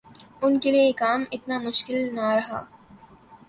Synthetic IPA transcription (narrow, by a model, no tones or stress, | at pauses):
ʊnkeliekaːmɪt̪namʊʃkɪlnaɾɐɦa̰ː